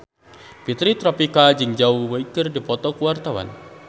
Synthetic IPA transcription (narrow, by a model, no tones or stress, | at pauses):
pit̪ɾit̪ɾɔpikad͡ʒɨŋd͡ʒauwəikɪrdipɔt̪ɔkuwart̪awa̰n